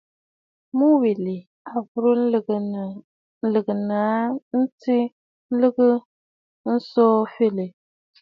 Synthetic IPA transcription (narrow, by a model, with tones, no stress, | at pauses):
mu˦wi˨li˨ | a˨vʊ˦ɾɨ˦˨ | n̩˦lɨ˨ɡɨ˨na˨˦n̩˦ti˦ | n̩˦lɨ˦ɣɨ˦ | n̩˦sɔː˦fe˦˨lɨ˨